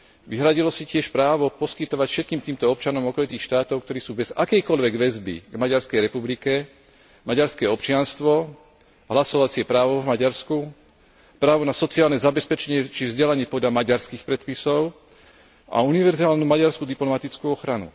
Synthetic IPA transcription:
ʋiɦɾaɟilɔsicɪɛʃpɾaːʋɔpɔskit̪ɔʋacfʃɛt̪̚kiːmt̪iːmt̪ɔɔp̚t͡ʃanɔmɔkɔlit̪iːxʃt̪aːt̪ɔʊk̚t̪ɔɾiːsuːbɛzakɛjkɔʎʋɛɡʋɛzbḭɡmaɟaɾskɛjɾɛpublikɛ | maɟaɾskɛːɔpt͡ʃɪanst̪ʋɔ | ɦlasɔʋat͡sɪɛpɾaːʋɔvmaɟaɾsku | pɾaːʋɔnasɔt͡siaːlnɛzabɛspɛt͡ʃɛɲɪɛt͡ʃivzɟɛlaɲɪɛpɔd̪ʎamaɟaɾskixpɾɛt̪pisɔʊ | ʔa̰uniʋɛɾzaːlnumaɟaɾskud̪iplɔmat̪it͡skuɔxɾanṵ

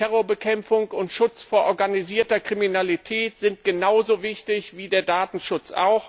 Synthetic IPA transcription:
tɛʁoːɐbəkʰɛmfʊŋkʊntʃʊt͡sfoːɐʔɔɐɡaniziːɐtɐkʁ̥iminalitʰɛːtz̥ɪntɡ̥ənaʊzoːvɪçtɪçv̥iːdeːɐdaːtn̩ʃʊt͡sʔa̰ʊx

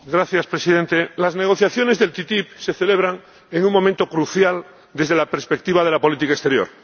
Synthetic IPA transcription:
ɡɾaθjaspɾesiðe̞nt̪e̞lazne̞ɣ̞o̞θjaθjo̞ne̞zðe̞lt̪it̪ipse̞θe̞le̞β̞ɾaŋ | eŋuŋmːõ̞mẽnt̪okɾuθjal | d̪e̞zðe̞lapeɾspe̞k̚t̪iβaðe̞lapo̞lit̪̬ikaest̪e̞ɾjo̞̰ɾ

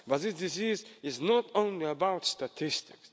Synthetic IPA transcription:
b̥ʌt̪ðɪsdɪzizɪznɔɾõʊ̃nliəbaʊtstatʰɪstɪks

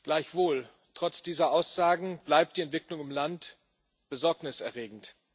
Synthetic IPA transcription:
ɡ̥laɪçv̥oːl | tʁ̥ɔt͡sd̥iːzɐʔaʊsz̥aːɡŋ̩b̥laɪp̚t̚d̥iːɛntv̥ɪklʊŋɪmlant | b̥əzɔɐknɪsɛɐʁeːɡŋ̩t

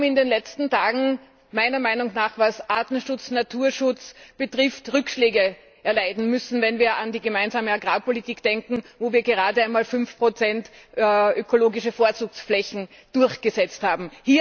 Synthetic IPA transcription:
m̩ɪndeːnlɛt͡stn̩tʰaːɡŋ̩ | maɪnɐmaɪnʊŋnaːχvasʔaːtn̩ʃʊt͡snatʰuːɐʃʊt͡sb̥ətʁ̥ɪftʁʏkʃleːɡə | ʔɛɐlaɪdn̩mʏsn̩vɛnviːɐandiːɡəmaɪnzaːməaɡʁaːpʰolitiːkd̥ɛŋkŋ̩voːviːɐɡəʁaːdəaɪnmaːlfʏnfpʁ̥ot͡sɛntːʔøkʰoloːɡɪʃəfoːɐt͡suːksflɛçn̩ | d̥ʊɐçɡ̥əzɛt͡sthaːbm̩hiː

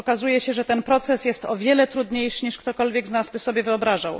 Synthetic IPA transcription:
ɔkazujɛɕɛʐɛt̪ɛnpɾɔt̪sɛsjɛst̪ɔvʲjɛlɛt̪ɾud̪ɲejʂɘɲiʂkt̪ɔkɔlvʲjɛɡznazbɘsɔbʲjɛvɘɔbɾaʐaw

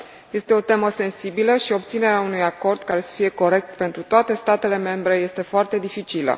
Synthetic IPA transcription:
je̞st̪e̞o̞t̪e̞məse̞nsibiləʃio̞p̚t̪sine̞ɾeaunujako̞rd̪̚kaɾe̞sə̥fije̞ko̞ɾe̞k̚t̪pe̞nt̪ɾut̪oat̪e̞st̪at̪e̞le̞me̞mbɾe̞je̞st̪e̞foart̪e̞d̪ifit͡ʃilə̰

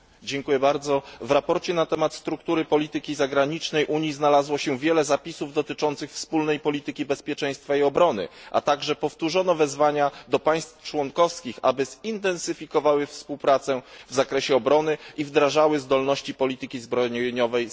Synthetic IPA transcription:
d͡ʑɛŋkujɛbaɾd̪zɔvɾapɔɾt͡ɕɛnat̪ɛmat̪st̪ɾukt̪uɾɘpɔlʲit̪ɘkʲizaɡɾaɲit͡ʂnɛjʔuɲjiznalazwɔɕɛvʲjɛlɛzapʲisuvd̪ɔt̪ɘt͡ʂɔnt̪sɘxfspulnɛjpɔlʲit̪ɘkʲibɛspʲjɛt͡ʂɛj̃st̪faiɔbɾɔnɘ̰ʔa̰t̪aɡʐɛpɔft̪uʐɔnɔvɛzvaɲad̪ɔpaj̃st̪ft͡ʂwɔŋkɔfskʲixa̰bɘz̥int̪ɛnsɘfʲikɔvawɘfspuwpɾat̪sɛvzakɾɛɕɛɔbɾɔnɘivd̪ɾaʐawɘzd̪ɔlnɔɕt͡ɕipɔlʲit̪ɘkʲizbɾɔɲɲɔvɛj

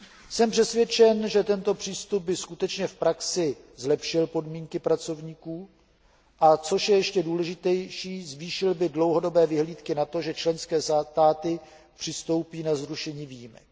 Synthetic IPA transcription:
sɛmpr̥ɛsvjɛt͡ʃɛnʒɛt̪ɛnt̪o̞pr̝̥iːst̪ub̚bɪskut̪ɛt͡ʃɲɛfpɾaksɪ | zlɛpʃɪlpo̞dmiːŋkɪpɾat͡so̞vɲiːkuː | ʔat͡so̞ʃjɛjɛʃcɛduːlɛʒɪt̪ɛjʃiːzviːʃɪlbɪdlo̞wɦo̞do̞bɛːvɪɦliːt̪kɪnat̪o̞ʒɛt͡ʃlɛnskɛːst̪aːt̪ɪ | pr̝̥ɪst̪o̞wpiːnazɾuʃɛɲiːviːjimɛ̰k

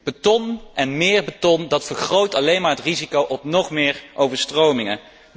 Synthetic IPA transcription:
b̥ətɔnɛnmɪːɹbətɔndɑtfəɹχrowtɑlejnmaːɹɦətrizikowʔɔpnɔχmɪːɹʔowvəɹstrowmɪŋə

